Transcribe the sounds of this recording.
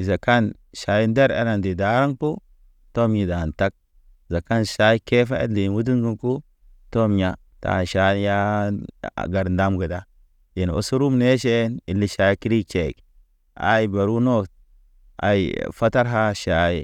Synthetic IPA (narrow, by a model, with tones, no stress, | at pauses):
i˨za˨ka˦n | ʃa˨ji˦nde˦ɾḛ˨˦la˨ndi˨da˨˦ɾa˦ŋpu˦ | to˦mji˨da˨nta˦k̚ | za˨ka˦nʃa˦i˦ke˦fa̰˦ḛ˦li˨nwu˦d̬i˦ŋɡu˦nku˦ | to˦mja˨ | ta̰˨ʃa˨˦ja̰˦˨ | ɡa˨ɾnda˦mɡa˨da˦ | ji˨n˨o̰˨su˦ɾu˦mne˦ʃe˦ni˨lːi˦ʃa˦ji˦ki˦ɾi˦t͡ʃe˨k | a̰˨i˨ba˨ɾu˦no˦t̚ | a̰˨i˨fa˦ta˦ɾɦa˦ʃa˨˦i˦